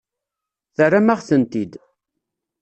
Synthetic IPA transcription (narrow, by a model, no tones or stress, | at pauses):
θərːamaʁθənt̪id̪